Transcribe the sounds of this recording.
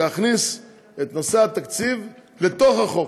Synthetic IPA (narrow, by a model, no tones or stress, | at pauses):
eaχnis | et̪no̞seat̪akt͡siv | le̞t̪o̞χaχo̞